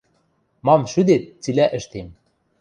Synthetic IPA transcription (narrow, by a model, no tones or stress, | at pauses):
mɑmʃyd̪et̪̚t͡silʲæʔɘ̆ʃt̪em